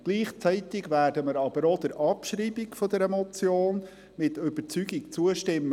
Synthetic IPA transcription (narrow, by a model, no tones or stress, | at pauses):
ɡ̥liːχt͡sɛɪtɪɡʋæːrdəməɾɑbəɾod̪̥əɾʔɑpʃriːbɪkfɔd̪əɾɛmɔt͡sjoːn | mɪtʏb̥ət͡syːɡikt͡suəʃtɪmː